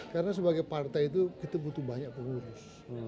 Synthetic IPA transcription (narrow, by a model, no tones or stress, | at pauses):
kaɾənas̬əbaɡajpart̪ajit̪̬ukit̪abut̪uhbaɲak̚pəŋuɾʊs